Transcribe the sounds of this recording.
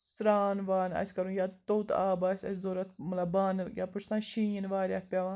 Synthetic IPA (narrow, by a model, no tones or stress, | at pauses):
sɾaːnʋaːnɐ̰sʲkɐɾũːjaːt̪oːt̪a̰ːbɐːsʲɐ̰sʲzoːɾɐt̪̚ʰmɐlɐbaːnjaːpuɾsãːnʃiːnʋaːɾʲjaːpʲaːʋãː